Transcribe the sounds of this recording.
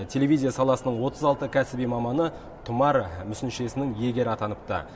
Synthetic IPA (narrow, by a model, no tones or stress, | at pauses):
t̪ʲʰe̞lʲe̞vʲijzʲijasɑlˠɑsənəɴwo̞t̪ʰəzɑlˠt̪əkʲʰæsɪbijmɑmɑnə | t̪ʰʊmɑɾmʏsɪnʃe̞sɪnɪŋje̞ɡʲe̞ɾɪɑt̪ɑnəp̚t̪ə̰